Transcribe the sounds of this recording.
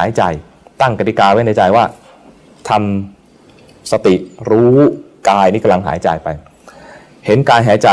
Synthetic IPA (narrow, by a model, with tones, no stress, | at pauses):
aː˩˦jt͡ɕa˧˩j | t̪a˥˩ŋka˧t̪i˧kaː˧we˥˩nda˧t͡ɕa˧jwaː˥˩ | t̪ʰa˧m | sa˧t̪i˨˩ɾuː˦˥ | kaː˧jnʰiː˦˥˩ka˧mla˧ŋɦa̰ː˩˦jt͡ɕa˧jpa˧j | he˩˦nkaː˧jɦaː˩˦jt͡ɕa˨˩